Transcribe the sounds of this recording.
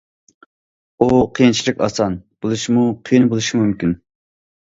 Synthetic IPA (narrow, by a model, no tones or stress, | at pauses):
uqʰijint͡ʃʰilɪkʲɑ̰sɑnb̥olˠɨʃimuqʰijinbolˠɨʃimumkʲin